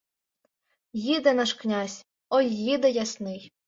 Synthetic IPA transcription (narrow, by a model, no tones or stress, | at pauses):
jid̪ɛnɑʃknʲasʲ | ɔjːid̪ɛjasnɪj